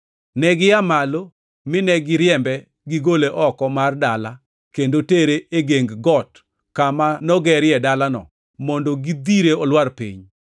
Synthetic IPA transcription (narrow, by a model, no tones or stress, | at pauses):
nɛɡɪjamalo | mɪnɛɡɪɾjɛmbɛ | ɡɪɡoleʔɔkɔmardala | kendoteɾeeɡeŋɡɡɔt | kamanɔɡɛɾjɛdalanɔ̰ | mɔndoɡid̪iɾeɔlwarpḭɲ